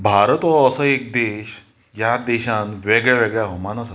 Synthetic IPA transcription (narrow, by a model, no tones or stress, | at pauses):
bʱaɾət̪ʋɔːsəek̚d̪eɕ | jad̪eɕãnʋeɡɭjaʋeɡɭjaɦomanasə